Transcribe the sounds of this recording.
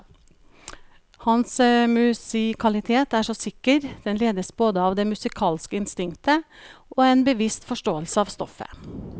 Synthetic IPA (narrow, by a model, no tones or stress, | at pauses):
hɑnsmʉsɪkʰɑlɪt̪ʰeːt̪æːʂɔsɪkəɾd̪̥ɛnleːd̪əsboːd̪əɑːʋd̪eːmʉsɪkʰɑːlskəɪnst̪ɪŋt̪ʰəʔoːeːnbəʋɪst̪fɔʂʈoːəlsəɑːʋst̪ɔ̰fə̰